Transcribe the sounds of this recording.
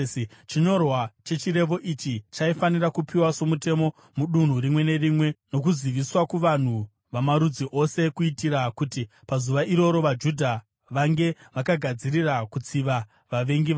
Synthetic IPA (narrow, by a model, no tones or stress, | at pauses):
t͡ʃiɲo̞rwat͡ʃe̞t͡ʃire̞ʋo̞ʔit͡ʃit͡ʃaifanirakupiwaso̞mute̞mo̞ | muɗun̤uɾimwe̞ne̞rimwe̞no̞k̬uziʋiswakuʋan̤u | ʋamaɾud͡ziʔo̞se̞kuitiɾakuti | pazuʋaʔiɾo̞ɾo̞ʋad͡ʒudʱa | ʋaŋɡe̞ʋakaɡʱad͡ziɾirakut͡siʋa | ʋaʋe̞ŋɡiʋa